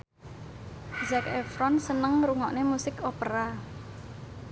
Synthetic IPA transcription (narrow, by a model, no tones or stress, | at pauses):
zɛkɛfɾɔnsənəŋɾuŋɔʔnemusɪkopəɾa